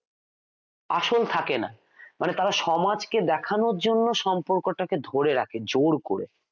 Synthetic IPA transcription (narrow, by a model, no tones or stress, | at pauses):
a̰ʃolt̪ʰakena̰ | manet̪aɾaʃɔmad͡ʑked̪ɛkʰanoɾd͡ʑonːoʃɔmpoɾkoʈaked̪ʱoɾeɾakʰed͡ʑoɾko̰ɾḛ